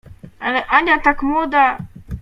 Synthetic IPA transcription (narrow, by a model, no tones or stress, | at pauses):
aʔanʲat̪akmod̪a